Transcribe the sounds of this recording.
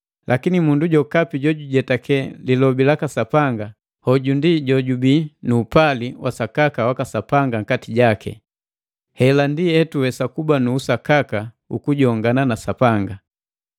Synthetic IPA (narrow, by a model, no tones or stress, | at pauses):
lʔakinimunduɟɔkapiɟɔɟuɟɛtakɛlilɔbilakasapaŋɡa | hɔɟundiɟɔɟubinuːpaliwasakakawakasapaŋɡaŋ̩katiɟakɛ̰ | hɛlandihɛtuwɛsakubanuːsakaka | ṵkuɟɔŋɡananasapaŋɡa